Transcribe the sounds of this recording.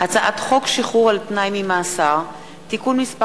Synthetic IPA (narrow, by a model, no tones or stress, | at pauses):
hat͡saʔat̪χo̞kʃiχuʁalpnajmimaːsaʁ | t̪ikunmispa